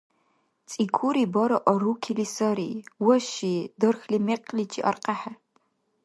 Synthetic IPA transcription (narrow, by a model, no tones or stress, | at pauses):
t͡sʼiːkʰuɾiːbɐɾɐʔɔrukʲʰiliːsɐɾiːwɔʃiːdɨrxlimeqʼlit͡ʃʰʼḭʔɐrqɐħa